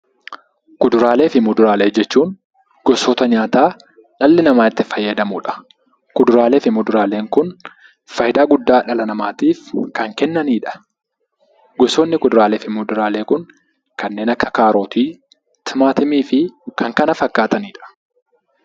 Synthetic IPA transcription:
kʊd̪ʊɾaːle̞ːfɪmʊd̪ʊɾaːle̞ːd͡ʒɛt͡ʃːuːŋ | ɡ̥ɔsoːt̪ɐɲaːt̪aː | ᶑɐlːɪnɐmaːɪt̪ːɪfɐjːɐd̪ɐmʊːᶑɐ̥ | kʊd̪ʊɾaːle̞ːfɪmʊd̪ʊɾaːle̞ːŋkʊn | fɐjɪd̪aːɡʊd̪ːaːᶑɐlɐnɐmaːt̪iːfkɐŋkɛnːɐniːᶑɐ̥ | ɡɔsoːnːɪkʊd̪ʊɾaːleːfɪmʊd̪ʊɾaːle̞ːkʊŋ | kɐnːeːnɐkːɐkaːɾo̞ːt̪iː | t̪ʰɪmaːt̪ɪmiːfɪkɐŋkɐnɐfɐkːaːt̪ɐniːᶑɐ̥

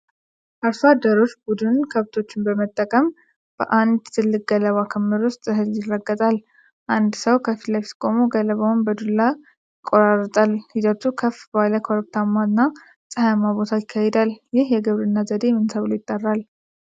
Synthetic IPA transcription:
ʔaɾfad̪əɾo̞t͡ʃːbud̪ɨnkʰəβt̪ʰo̞t͡ʃːɪnbəmət̪ʼːəkʼəm | b̥ə̰ʔand̪t̪ʰɨlːɨk̚ʼɡələβakʰəmːɨɾʊst̪ʼɨɦɨljɪrːəɡːət̪ʼal | ʔand̪səwkʰəfilafskʼo̞moɡələβawnbəd̪ulːa | jɪkʼːo̞ɾarːt̪ʼalhizət̪ukʰəfbəhaləkʰoɾək̚t̪ʰamːaɨnːa | sʼəhaamabo̞t̪ʰajɪkʰːahed̪aljɪhjɛɡɨβɾɨnːazəd̪e̞mɨnsəβɨlojɪt̪ʼːarːal

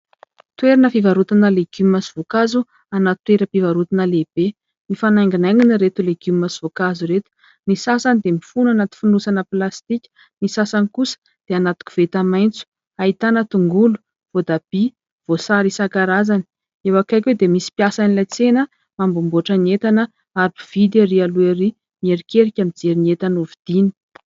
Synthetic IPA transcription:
t̪weɾinəfivaɾut̪unəleɡumimasi̥v̥okazu | anat̪weɾəpivaɾut̪inəleb̥e | nifanaŋɡinajŋɡinəɾet̪uleɡumimːasiv̥okazuɾet̪u̥ | nisasanid̪emifunanat̪u̥funusanəplast̪ikʲə̥ | nisasanikusə̥ | d̪̥eanat̪u̥kʲu̥v̥et̪amajnt͡su̥ | ait̪anət̪uŋɡulu̥ | v̥od̪ab̥i | v̥osaɾisakaɾazani̥ | ewakajkʲwed̪emisi̥pjasanilajt͡senə | mambumbuaʈ͡ʂəniet̪anə | aɾpi̥v̥id̪aɾialueɾi | mieɾikeɾikʲamid͡zeɾiniet̪anuvid̪̥ini̥

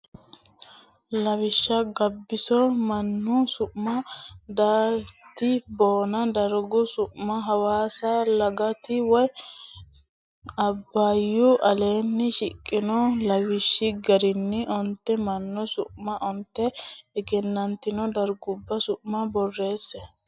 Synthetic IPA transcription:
lɐwɪʃːɐɡɐbːɪsɔmɐnːʊsʊʔmɐd̪aːt̪ɪbo̞ːnɐd̪ɐɾɡʊsʊʔmɐɦɐwaːsɐlɐɡɐt̪ɪwɔj | ɐbːɐjːʊʔɐle̞ːnːɪʃɪkʼːɪnɔlɐwɪʃːɪɡɐɾɪnːɪʔɔnt̪ːɛmɐnːʊsʊʔmɐʔɔnt̪ːɛɛɡɛnːɐnt̪ːɪnɔd̪ɐɾɡʊbːɐsʊʔmɐbɔrːe̞ːsːɛ

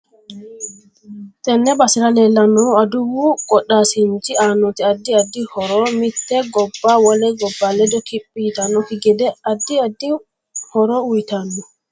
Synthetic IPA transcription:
tɛnːɛbasiɾalɛlːanɔaduwuɡɔɗasintianɔtiadːiadːihɔɾɔmitːɛɡɔbːawalɛɡɔbːalɛdɔkiɓːitanɔkiɡɛdɛʔadːiadːi | hɔɾɔwujtandu

